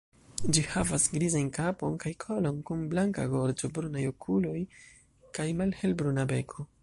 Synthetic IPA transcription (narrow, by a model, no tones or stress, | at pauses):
d͡ʒihavasɡɾizankapo̞nkajkʰo̞lo̞nkunblaŋka̰ɡo̞ɾd͡ʒo̞bɾunajokʰulo̞j | kajmalhe̞lbɾunabe̞kʰo̞